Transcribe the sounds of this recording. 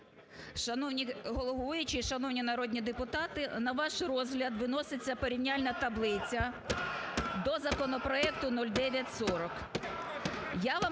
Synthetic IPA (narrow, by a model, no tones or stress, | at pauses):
ʃɐnɔwnʲiɦɔlˠɔɦujʊt͡ʃɪʃɐnɔwnʲinɐɾɔd̪ʲnʲid̪epʊt̪ɑt̪ɪnɐʋɑʃrɔzɦlʲɐd̪ʋɪnɔsɪt͡sʲːɐpɔɾʲiwnʲalʲnɐt̪ɐblˠɪt͡sʲɐ | d̪ɔzɐkɔnɔpɾɔɛkt̪ʊnɔlʲd̪ɛʋʲjɐtʲsɔɾɔk | jaʋɑ